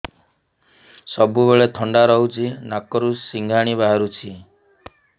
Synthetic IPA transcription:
sɔbuβeɭet̪ʰɔɳɖaɾɔɦut͡ʃʰinakɔɾusːiŋɡʱaɽ̃iβaɦaɾut͡ʃʰi

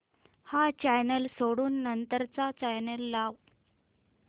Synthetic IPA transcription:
hat͡ɕajnəlsoɽuːnːənt̪əɾt͡sat͡ɕajnəlːaʋ

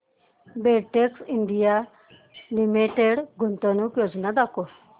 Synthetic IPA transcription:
beʈeksinɖ̪ija | limiʈeɽɡʱunt̪ənukjod͡znad̪ako

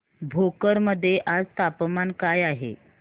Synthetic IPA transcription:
bʱokəɾməd̪ʱːjeʔad͡zt̪apəmankajaɦḛ

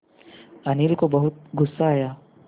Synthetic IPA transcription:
ɐniːlkobɐɦʊt̪̚ɡʊsːaːjaː

